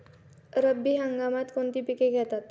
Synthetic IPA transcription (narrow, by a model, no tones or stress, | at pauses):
ɾəbːiːɦãŋɡamat̪koɳt̪iːpikeɡʱɛt̪at̪